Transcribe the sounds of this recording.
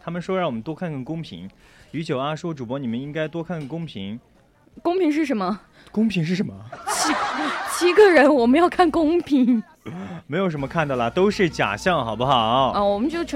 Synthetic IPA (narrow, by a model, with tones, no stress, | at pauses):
t̪ʰa˥mə˨nʂwɔ˥ɻŋwɔ˨˩mə˦nt̪wɔ˥kʰa˥˧nkʰə˥˩nkʊ˥ŋpʰḭ˧˥ŋy˧˥t͡ɕjo˨˩ʊa˥˩ʂwɔ˥ʈ͡ʂu˨˩pwɔ˧˥ni˨˩mə˦ni˥ŋka˥ɪt̪wɔ˥kʰa˥˧nkə˥˩nkʊ˥ŋpʰḭ˧˥ŋ | kʊ˥ŋpʰi˧˥ŋʂ̬ɻ̩˥˩ʂə˧˥nmə˧ | kʊ˥ŋpʰi˧˥ŋʂ̬ɻ̩˥˩ʂə˧˥˦mə˧t͡ɕʰi˧˥t͡ɕʰi˧˥ɡə˧ɻə˧˥nwɔ˨˩mə˦njɑ˥˧ʊkʰa˥˩nkʊ˥ŋpʰi˧˥ŋ | me˧˥ɪjʂə˧˥mə˧kʰa˥˧nt̪ɑ˥˩lə˩t̪o˥ʊʂɻ̩˥˩t͡ɕja̰˨˩ɕjɑ˥˩ŋxɑ˨˩ʊbu˦xɑ˨˩˦wɔ˨˩mə˦nt͡ɕjo˥˩ʊʈ͡ʂʰ